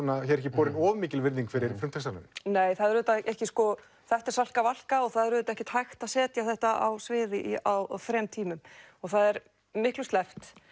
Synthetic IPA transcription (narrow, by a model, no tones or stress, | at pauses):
nːaçɛɾɛhcɪpɔːɾɪnɔːvmiːcɪlvɪɾðiŋkfɪɾɪɾfɾʏm̥t̪ʰɛsalɛ̰nɪneːjθaðɛɾðʏːt̪aʔɛhcɪskɔ | θɛht̪aɾ̥sal̥kaval̥kaɔɣθaðɛɾvðʏːt̪aɛhcɪt̪hajxt̪aðsɛːt̪jaθɛht̪aʔa̰wsvɪːðɪʔiawfɾɛmt̪ʰiːmʏmɔɣθaðɛɾ | mɪhklʏst̪ɛft̪